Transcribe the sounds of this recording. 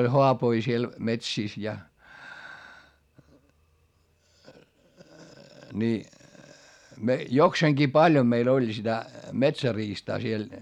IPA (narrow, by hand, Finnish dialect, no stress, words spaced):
olʲ hoɑpoi siel metsiˑs jɑ ni jokseːŋɡ̊iː pɑlʲjom meil olʲ sitæ metsæriːstɑː siel